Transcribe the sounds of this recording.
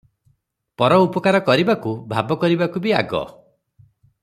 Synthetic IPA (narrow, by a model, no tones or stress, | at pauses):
pɔɾɔupɔkaɾɔkɔɾibakubʱabɔkɔɾibakubiaɡɔ̰